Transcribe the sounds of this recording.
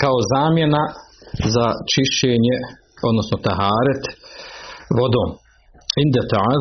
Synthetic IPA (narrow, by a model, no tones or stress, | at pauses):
kaozaːmjenazat͡ʃiʃt͡ʃeːɲe | o̞d̪nosnot̪aɦaːɾat̪ | ʋod̪oː | ʕind̪at̪aʕaː